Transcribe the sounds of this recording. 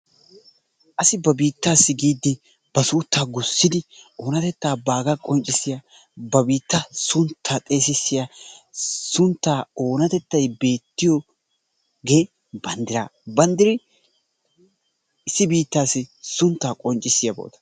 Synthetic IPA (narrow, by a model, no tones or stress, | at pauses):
ʔɐsɪbɐbiːt̪ːaːsːɪɡiːd̪ːɪ | b̥ɐsuːt̪ʰːaːɡʊsːɪd̪ɪoːnɐt̪ɛt̪ːaːbaːɡakʼɔnt͡ʃʼɪsːɪjɐ | bɐbiːt̪ːɐsʊnt̪ʰːaːt̪ʼe̞ːsɪsːɪja | sʊnt̪ːaːoːnɐt̪ɛt̪ːɐjbe̞ːt̪ːɪjɔ | ɡeː | bɐnd̪ɪɾa̰ːbɐnd̪ɪɾɪ | ɪsːɪbiːt̪ːaːsːɪsʊnt̪ːaːkʼɔnt͡ʃʼːɪsːɪjɐbo̰ːt̪ɐ̥